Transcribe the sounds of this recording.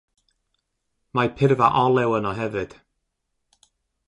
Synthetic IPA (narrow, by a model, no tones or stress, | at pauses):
mapʰɪrvaʔɔlˠɛwənɔɦɛvɨd̥